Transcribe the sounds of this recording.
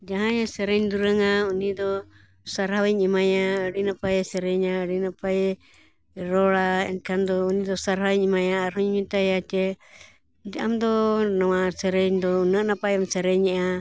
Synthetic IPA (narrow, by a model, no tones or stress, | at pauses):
d͡ʒaɦãjasɛɾɛɲd̪uɾɛŋaunid̪ɔ | saɾhawɛɲimajaɾinapajɛsɛɾɛɲaɾinapajɛ | ɾɔlaɛ̰nkʰand̪ɔunid̪ɔsaɾhawɛɲimajaːɾhuɲmint̪ajat͡ʃɛ | d͡ʒɛamd̪ɔnawasɛɾɛɲd̪ɔunanapajamsɛɾɛɲɛa